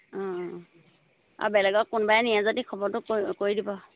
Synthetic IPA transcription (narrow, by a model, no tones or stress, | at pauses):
ɔ̃ | a̰bɛlɛɡɔkʊnbajnijãzadikʰɔbɔɹtʊkoidibɔ